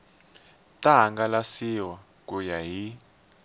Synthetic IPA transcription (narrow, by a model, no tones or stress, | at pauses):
tʼaɦaŋɡalasiwa | k̬ʼujaɦi